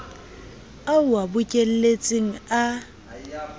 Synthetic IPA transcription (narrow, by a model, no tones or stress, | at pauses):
aʊwabʊcʼel̩let͡sʼɪŋ̩a